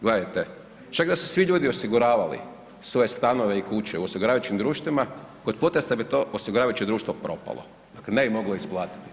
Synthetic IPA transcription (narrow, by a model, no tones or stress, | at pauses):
ɡlejat̪e | t͡ʃakd̪asu̥sʋiʎuːd̪iosiɡuɾaːʋalḭ | sʋo̞jest̪anoʋeikut͡ɕeuosiɡuɾaːajut͡ʃimd̪ɾuːʃt̪ʋimako̞t̪̚po̞t̪ɾesabit̪o̞ʔosiɡuɾaːʋajut͡ʃed̪ɾuːʃt̪ʋopɾo̞pa̰lˠo̰ | d̪aklene̞bimo̞ɡloisplˠaːt̪i̥t̪i̥